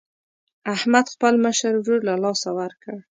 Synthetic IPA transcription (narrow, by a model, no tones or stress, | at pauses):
ahmad̪xpəlməʃəɾd͡ʒuɽlalɑsawaɾkəɽ